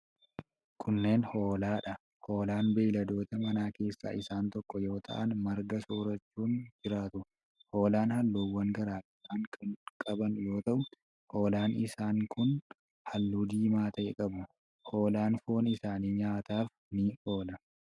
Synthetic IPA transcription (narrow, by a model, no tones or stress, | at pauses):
kʰʊnːe̞ːnho̞ːlaːᶑɐ | ho̞ːlaːnbeːlɐd̪o̞ːt̪ɐmɐnaːke̞ːsːa̰ːʔɪsaːnt̪ɔkːɔjo̞ːt̪ʰɐ̰ʔɐ̰nmɐɾɡɐsoːɾɐt͡ʃːuːnd͡ʒɪɾaːt̪ʊ | ho̞ːlaːnhɐlːuːwːɐŋɡɐɾaːfɪsaːŋkɐnkʼɐbɐnjo̞ːt̪ɐʔʊ | ho̞ːlaːnɪsaːŋkʰʊn | hɐlːuːd̪iːmaːt̪ɐʔɛ̰kʼɐbʊ | ho̞ːlaːnfoːnɪsaːniːɲaːt̪aːf | nɪʔoːlɐ